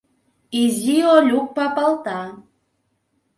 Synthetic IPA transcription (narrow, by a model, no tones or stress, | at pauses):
iziolʲuk̚pɑpɑlˠt̪ɑ